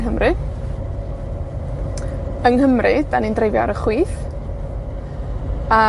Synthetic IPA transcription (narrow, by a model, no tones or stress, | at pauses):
ɦəmrɨ | əŋɦəmrɨdanindrejvjaɾəχwiːθ | a